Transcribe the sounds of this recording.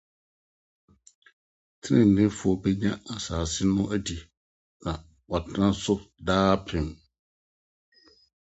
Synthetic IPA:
tʰɪ̃˦˨n̩˨nɪ̃˦fʊ˨ɔ˨bɛ˦ɲã˦a˨saː˨sɪ˦nʊ̃˦ʔæ˦di˨ | nã˨ | wɔ˨tʰã˦sʊ˦daː˦pʰɾɪ̃˨m

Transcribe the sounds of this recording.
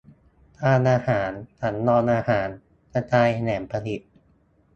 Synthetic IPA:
t̪ʰaː˧nʔaː˧haː˩˦ntʰa˩˦nːɔː˧nʔaː˧haː˩˦n | ka˧t͡ɕaː˧jnɛː˩˦mpʰa˧li˨˩t̪̚

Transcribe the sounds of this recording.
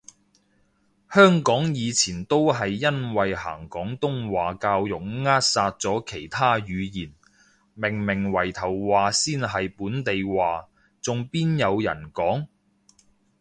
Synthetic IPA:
hœː˥ŋkɔː˨˥ŋjiː˨˧t͡sʰiː˨˩nt̪o˥wɦɐ˨jːɐ˥nwɐ˨jha̰ː˨˩ŋkɔː˨˥ŋt̪ʊ˥ŋwaː˨kaː˧wjʊ˨k̚ŋaː˥t̚saː˧t̚t͡sɔː˨˥kʰe˨˩jt̪ʰaː˥jyː˨˧jiː˨˩n | mɪ˨˩ŋmɪ˨˩ŋwɐ˨˩jt̪ʰɐ˨˩wwaː˨siː˥nɦɐ˨jpuː˨˥nt̪e˨jwaː˨ | t͡sʊ˨ŋpiː˥njɐ˨˧wjɐ̰˨˩nkɔː˨˥ŋ

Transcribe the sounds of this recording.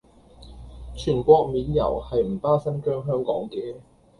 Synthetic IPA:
t͡ʃʰyː˨˩nkʷɔː˧k̚miː˨˥njɐ̰˨˩whɐ˨jm̩˨˩paː˥sɐ˥nkœː˥ŋɦœː˥ŋkɔ̰ː˨˥ŋkɛː˨˥

